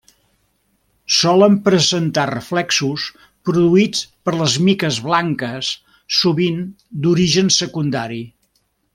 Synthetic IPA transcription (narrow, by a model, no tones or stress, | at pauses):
sɔləmpɾəzənt̪arəflɛksus | pɾuðuit͡spəɾləzmikəzβlaŋkəsː | uβin | d̪uɾiʒənsəkund̪aɾi